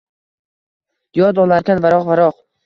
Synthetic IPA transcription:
jɒd̪ɒlaɾkʰʲanvaɾɒqvaɾɒq

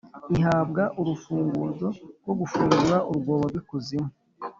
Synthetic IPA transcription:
iɦaːbɡaʔuɾufuːŋɡuːzo̞ɾɡwoɡufuːŋɡuɾaʔuɾuɡo̞ːβaɾɡwikuzimu

